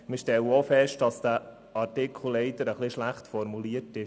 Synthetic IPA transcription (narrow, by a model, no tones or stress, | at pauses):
mɪʃtɛləofɛʃtd̥ɑsd̥æ | ɑrtɪkʰl̩ˠlɛɪtəɾəχliʃlæχtfɔɾmuliətɪʃ